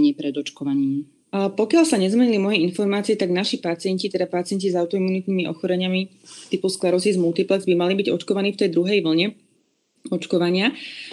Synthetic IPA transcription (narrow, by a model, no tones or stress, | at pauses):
ɲiːpɾɛd̪ɔt͡ʃkɔʋaɲiːm | pɔkɪalsaɲɛzmɛɲilimɔjɛinfɔɾmaːt͡siɛt̪aɡnaʃipat͡sɪɛɲcit̪ɛd̪apat͡sɪɛɲcizaʊt̪ɔimunit̪̚nimiʔɔ̰xɔɾɛɲɪami | t̪ipusklɛɾɔzizmult̪iplɛzbimalibiɟɔt͡ʃkɔʋaniːft̪ɛjd̪ɾuɦɛjʋl̩ɲɛ | ɔt͡ʃkɔʋaɲɪa